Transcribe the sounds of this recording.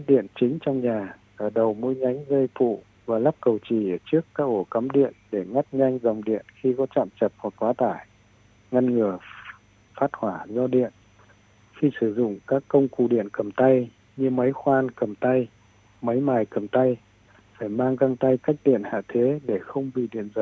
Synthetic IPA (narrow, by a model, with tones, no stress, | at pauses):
a˦˥ɗḭ˧˨ənt͡ɕï˨˦ŋ̟t͡ɕɔ˧wŋ͡mɲaː˨˩ | ʔəː˧˩ɗə˨˩wmu˧jɲa˨˦jŋ̟zə˧jfṵ˧˨ | vaː˨˩laː˦˥p̚kə˨˩wt͡ɕi˨˩ʔəː˧˩t͡ɕɨ˦˥əkːaː˨˦˥k̚ʔo˧˩kə˨˦mɗḭ˧˨ənɗe˧˩ŋa˦˥t̚ɲa˧jŋ̟zə˨˩wŋ͡mɗḭ˧˨ənxi˧kɔ˨˦t͡ɕa̰ː˧˨mt͡ɕə˨˩p̚mo˨˩t̚kwaː˨˦t̪aː˧˩j | ŋa˧nŋɨ˨˩ə | faː˦˥t̚hwaː˧˩zɔ˧ɗḭ˧˨ən | xi˧sɨ˧˩zʊ̰˧˨ŋ͡mkaː˦˥kːə˧wŋ͡mku˧˨ɗḭ˧˨ənkə˨˩mt̪a˧j | ɲɨ˧mə˨˦jxwaː˧nkə˨˩mt̪a˧j | mə˨˦jmaː˨˩jkə˨˩mt̪a˧j | faː˧˩jmaː˧ŋzaː˧ŋt̪a˧jka˦˥k̚ɗḭ˧˨ənha̰ː˧˨t̪ʰe˨˦ɗe˧˩xə˧wŋ͡mɓḭ˧˨ɗḭ˧˨ənzə˨˦